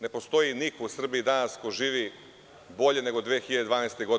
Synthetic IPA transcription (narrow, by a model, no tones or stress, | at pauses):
ne̞po̞st̪o̞jinikousr̩biːd̪anaskojʒiːʋi | bo̞ʎe̞ne̞ɡod̪ʋeːxiʎad̪ed̪ʋaːnest̪eɡod̪